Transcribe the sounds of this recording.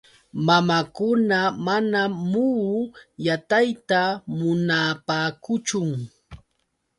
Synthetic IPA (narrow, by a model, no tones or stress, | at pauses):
mamakʊnamanamu | jat̪ajt̪amʊnapaːkʊt͡ʃʊŋ